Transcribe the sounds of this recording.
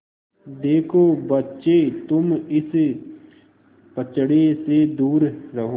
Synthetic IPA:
d̪eːkʰoːbɐtːʃet̪ʊmɪs | pət͡ʃɽesed̪uːɾɾɐɦoː

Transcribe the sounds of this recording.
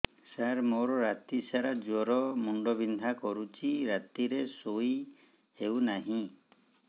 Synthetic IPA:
saɾmoɾɔɾat̪isaɾad͡ʒɔɾɔmuɳɖɔbind̪ʱakɔɾut͡ʃʰiɾat̪iɾesoj | ewnaɦĩ

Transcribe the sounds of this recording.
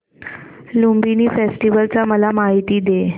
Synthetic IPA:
lumbiniːfesʈiʋəlt͡saməlamaɦit̪iːd̪e

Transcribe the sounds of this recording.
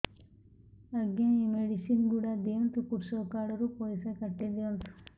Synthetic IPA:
ɐɡeiːmeɖisinɡuːɽɐd̪eːʋɐnt̪ukuɾsɐkaːɽɐɾupoːjsɐkɐʈːid̪eɐnt̪u̥

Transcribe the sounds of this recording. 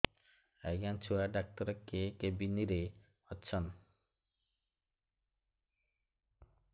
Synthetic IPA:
aɡant͡ɕʰuaɖak̚t̪ɔɾɔkːekebiniɾe | ɔtːɕʰɔn

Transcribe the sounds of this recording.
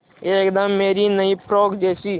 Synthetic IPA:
ekd̪əmːeːɾinəĩpɾoːɡd͡ʒeːsi

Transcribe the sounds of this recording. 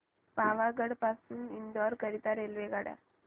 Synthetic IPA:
paʋaɡəɽpasuːnind̪ɔɾkəɾit̪aɾelʋeɡaɽja̰

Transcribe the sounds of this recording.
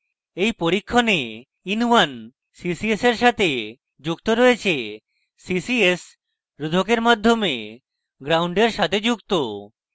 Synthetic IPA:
ejpoɾikʰːone | inuwan | sisieseɾʃat̪ʰe | d͡ʑukt̪oɾɔet͡ɕʰe | sisies | ɾud̪ʱokeɾmad̪ʱːome | ɡɾawɳɖeɾʃat̪ʰed͡ʑukt̪o

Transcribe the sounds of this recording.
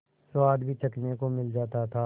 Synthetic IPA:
swaːd̪bʱit͡ʃɐknekomɪld͡ʒaːt̪at̪ʰaː

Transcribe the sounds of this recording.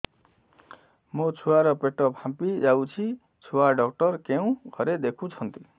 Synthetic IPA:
mot͡sʰuwaɾɔpeʈɔpʰãmpid͡ʒawt͡sʰi | t͡sʰuaɖɔk̚ʈɔɾkeũɡʱʌɾed̪ekʰũt͡sʰʌnt̪i

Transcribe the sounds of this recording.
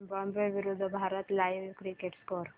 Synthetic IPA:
bɔmbeɾʋiɾud̪ʱbʱaɾət̪lajʋkɾikeʈskɔɾ

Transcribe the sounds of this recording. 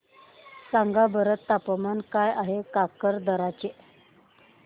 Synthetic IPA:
saŋɡabəɾət̪ːapəmankajaɦekakəɾd̪əɾat͡ɕe

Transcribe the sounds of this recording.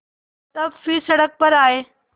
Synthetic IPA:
t̪ɐfisɐɽək̚pɐɾaːɦeː

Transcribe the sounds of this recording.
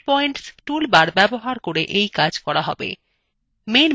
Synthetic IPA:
pɔjɳʈsʈulbaɾbɛboɦaɾkoɾeʔejkad͡ʑkɔɾaɦɔ̰bḛ | men

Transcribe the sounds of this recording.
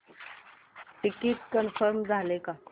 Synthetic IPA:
ʈikit̪kənfəɾmd͡zʱaleka

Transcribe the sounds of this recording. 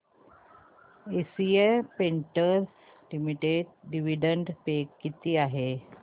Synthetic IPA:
esiepeɳʈəɾs | limiʈeɖɖiʋiɖəɳɖpekːit̪iːaɦe

